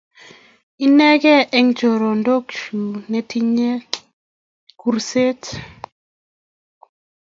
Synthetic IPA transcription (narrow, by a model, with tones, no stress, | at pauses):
i˦nɛ˦ɡɛ˦ʔɛ˦ŋd͡ʒo˨ɾo˨ndo˦kʃu˨nɛ˨ti˦ɲe˦ | ku˨ɾse˦t